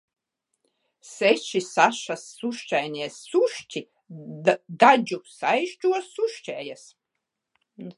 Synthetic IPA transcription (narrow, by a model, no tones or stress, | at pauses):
sɛʃisaʃasːuʃt͡ʃajniɛsːuʃt͡ʃi | d̪ad͡ʒusaʃt͡ʃuɔsuʃt͡ʃɛːjas